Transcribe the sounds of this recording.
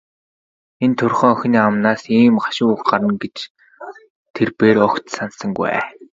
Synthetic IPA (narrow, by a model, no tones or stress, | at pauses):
ent̪ʰɵrχœːœx̆ʲniːamnaːsiːmɢḁʃʊːuxɢaɾə̆nɡet͡ɕ | t̪ʰerpeːɾɔkt̪sansə̆ŋɡuæ̰ː